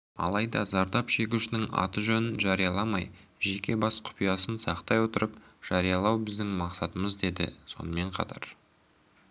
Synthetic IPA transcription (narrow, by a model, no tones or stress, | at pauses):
ɑ̰lˠɑjd̪ɑzɑɾd̪ɑpʃe̞kʲuʃɪnɪŋɑ̰t̪əʒɵnɪnʒɑɾijɑlˠɑmɑjʒe̞kʲe̞bɑsqʰʊ̥pijɑsənsɑqt̪ɑjwo̞t̪əɾəpʒ̥ɑɾijɑlˠɑwbɪzd̪ɪŋmɑqsɑt̪əməzd̪e̞d̪ɪ̰so̞̰nəme̞ɴqʰɑ̰t̪ʰɑ̰ɾ